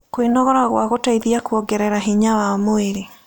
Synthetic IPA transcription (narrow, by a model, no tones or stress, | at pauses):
kwenɔɣɔɾaɣwaɣotaiðiakwɔɡɛɾɛɾaɦeɲawamoeɾe